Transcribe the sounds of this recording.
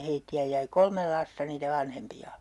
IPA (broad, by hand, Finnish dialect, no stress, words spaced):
heitːiæ jæi kolmel lɑstɑ niːtæ ʋɑnhempiɑ